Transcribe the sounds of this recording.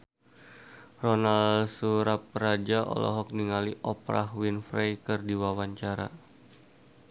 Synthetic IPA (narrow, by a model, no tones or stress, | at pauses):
rɔnalsuɾap̚ɾad͡ʒaʔɔ̰lɔ̰ɦɔk̚niŋaliʔɔpɾa̰ɦwinfɾejkɨrdiwawaɲt͡ʃaɾa̰